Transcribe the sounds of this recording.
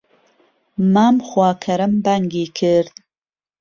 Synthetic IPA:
maːmxwɑːkʰɐɾɐmbaŋɡiːkʰɨɾd̪

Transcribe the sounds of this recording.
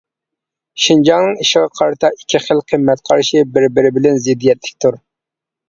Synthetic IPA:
ʃind͡ʒɑŋnɨŋiʃɪʁɑqʰɑɾɨt̪ʰɑi̥kʲʰːiχəlˠqʰəmːɛt̪̚qʰɑɾʃibɪɾɪbɪɾɪbɪlɛnzɪd̪ijɛt̪lɪ̥kʲt̪ʰuɾ

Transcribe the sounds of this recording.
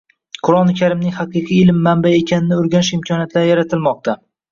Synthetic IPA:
qʰʊɾɒnɪkʲʰaɾɪmnɪŋʲhaqʰɨqʰiɪlɪmːanbae̞kʲʰanɪnɪʊɾɡʲanɪʃɪmkʰɒnjat̪ʰlajaɾat̪ʰɪlmɒq̚t̪ʰa

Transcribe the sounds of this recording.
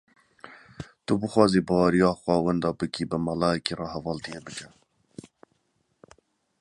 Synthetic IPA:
t̪ubɨxʷwɑːziːbɑwɑːɾijɑːxwɑːwɛnd̪ɑːbɨkiːbɨmɑlɑːjɛkiːrɑːhɛvɑːlt̪ijeːbɨkɛ

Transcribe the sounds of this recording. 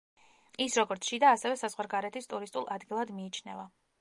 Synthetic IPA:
isɾɔɡɔɾt̪sʰʃid̪aːsɛvɛsazʁwaɾɡaɾɛt̪ʰist̪ʼuɾist̪ʼulˠʔad̪ɡilˠad̪miːt͡ʃʰnɛ̰va

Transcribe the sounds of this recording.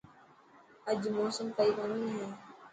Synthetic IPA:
əd͡ʒmoːsəmkəiːkaːniːɦɛ̃ː

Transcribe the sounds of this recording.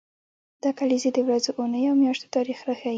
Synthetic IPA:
d̪̥ɑkalized̪əwɾazoʔʊnəjawmjɑʃt̪o̥t̪ɑɾixɾaxaj

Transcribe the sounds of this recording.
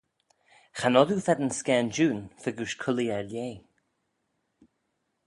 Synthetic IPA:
xanɔd̪ufɛd̪ənskɛːnd͡ʒuːnfəɡuʃkʰʊliɛɹljeː

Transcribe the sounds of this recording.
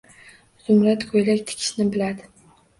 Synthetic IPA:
z̥ʊmɾat̪kʰojlakʲt̪ʰɪ̥kʲʰɪ̥ʃnɪbɪlad̪ɪ

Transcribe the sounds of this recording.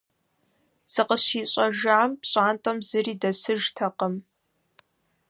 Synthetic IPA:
z̥ɨqəɕiːɕʼɐʒaːmpɕʼaːntʼɐmzɨriːdɐsɨʒtʰɐqəm

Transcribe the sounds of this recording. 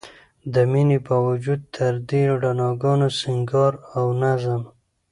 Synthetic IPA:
d̪əminepawad͡ʒud̪̚t̪ʰəɾd̪eɖanɑɡɑnosɪŋɡɑɾawnazəm

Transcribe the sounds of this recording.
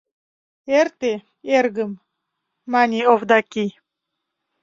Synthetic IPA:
ert̪e | eɾɡəmː | anʲiovd̪akʲi

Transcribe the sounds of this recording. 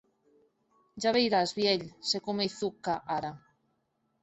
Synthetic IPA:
ʒaβejɾazβjeʎsekomeθukaʔaɾa

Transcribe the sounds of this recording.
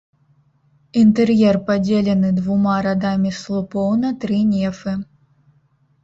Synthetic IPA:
int̪ɛrjɛrpad͡zʲelʲɛnɨd̪vumaɾad̪amʲislˠupɔwnɐt̪ɾɨnʲɛfɨ

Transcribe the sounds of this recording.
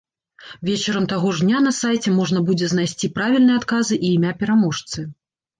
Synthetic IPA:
vʲet͡ʃɛɾɐmt̪aɣɔʐnʲanɐsajt͡sʲɛmɔʐnɐbud͡zʲɛznajsʲt͡sʲipɾavʲilʲnɨjɛat̪kazɨʔiːmʲapʲɛɾamɔʂt̪sɨ

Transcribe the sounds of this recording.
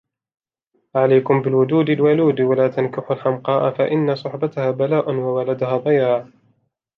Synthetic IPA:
ʕalajkʊmbɪlwʊd̪uːd̪alwaluːd̪walaːt̪ankɪħʊlħamqɑːʔafaʔɪnːasˤʊħbat̪ahaːbalaːʔʊnwawalad̪ʊhaːbajaːʕ

